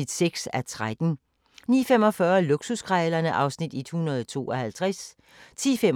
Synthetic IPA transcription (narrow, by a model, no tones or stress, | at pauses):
id̥seɡ̥sæt͡sʰʁad̥n̩ | nḭːfemɒ̽fɶɐluɡ̥suskʰʁɛlɐnəʔɑ̈ʊsnid̥e̝d̥hunɐðˠɒt͡sʰo̝̰ːɒ̽hælt͡sʰʁas | t͡sʰḭːfem